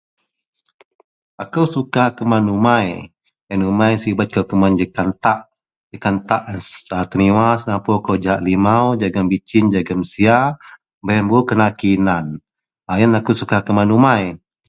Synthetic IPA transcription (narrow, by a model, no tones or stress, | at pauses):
akawsukahkəmanumaj | janumajsibat̪̚kawkəmand͡ʒəkant̪aʔ | d͡ʒəkant̪aʔansat̪əniwasnapokawd͡ʒaʔlimawd͡ʒaɡambit͡ʃind͡ʒaɡamsia | bəɛmbokənakinan | ajanakusukahkəmanumaj